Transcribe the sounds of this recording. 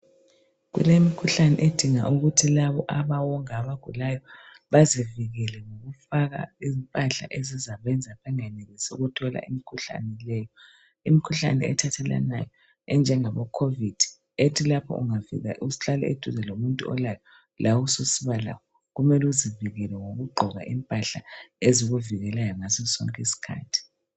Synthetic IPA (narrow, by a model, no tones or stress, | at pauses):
ɣṵlemikʰuɬanɛ̰ʔed̥ʱiŋa̰ʔuɣutʰilaβɔʔaβawɔŋaβaɡ̥ʱulajɔ | βaziviɣɛlɛŋoɣufaɣa̰izmpʼaɬa̰ʔezizaβɛnd͡zʱapʰɛŋaneɣisɛuɣutʰɔla̰ʔimikʰuɬa̰nɛlɛːjɔ | imikʰuɬa̰nɛ̰ɛ̰tʰatʰɛla̰na̰jɔ | ɛnd͡ʒʱɛŋaβɔkʰovid̥ʱi̥ | etʰilapʰɔ̰ʔṵŋavḭɣa̰ʔusɬalɛ̰ed̥ʱuzɛlomuntʼuɔ̰lajɔ | lʔawususiβala̰wɔ | ɣumɛluziviɣɛlɛŋoɣuɡ͡ǃʱɔɣa̰ʔimpʼaɬaeziɣuviɣɛlajɔŋazɔsɔ̰ŋkʼisi̥kʰa̰ːtʰi̥